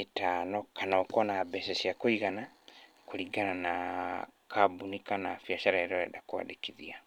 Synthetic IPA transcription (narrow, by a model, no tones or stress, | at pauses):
etaːnɔkanaːkɔnabɛsɛsiakoiɣanakoɾiɡanana | kabunikanafjaʃaɾaeɾoɛdakwa̰dekiðia